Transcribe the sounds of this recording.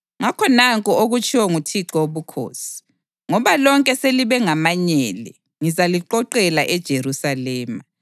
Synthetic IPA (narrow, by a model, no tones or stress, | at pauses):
ŋakʰɔnaŋkʼuoɣut͡ʃʰʼiwɔŋutʰiǁɔoβukʰo̰ːsi̥ | ŋɔβalɔŋkʼɛseliβɛŋamaɲɛːlɛ̰ | ŋizaliǃɔǃɛlaʔɛd̥ʒ̥ʱeɾusalɛːma